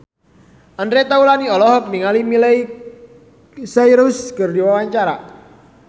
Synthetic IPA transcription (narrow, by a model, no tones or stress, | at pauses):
ənɾet̪aulaniɔlɔɦɔk̚niŋalimilej | sajɾʊskərdiwawaɲt͡ʃaɾa